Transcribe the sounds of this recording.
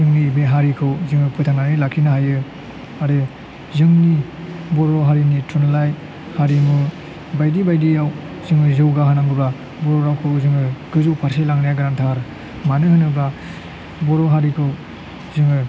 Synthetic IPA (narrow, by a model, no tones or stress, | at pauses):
zɯŋnibeɦaɾikʰɯwzɯŋɯpʰɯtʰananilakʰinahajɯ | aɾɯ | zɯŋni | bɔɾɔɦaɾinitʰunlaj | haɾimu | bajdibajdijaw | zɯŋɯzɯwɡahanaŋɡɯbɾa | bɔɾɔɾawkʰɯwzɯŋɯɡ̥ɯzuwpʰaɾselaŋnajaɡɾantʰaɾ | manɯhɯnɯbɾa | bɔɾɔɦaɾikʰɯw | zɯŋɯ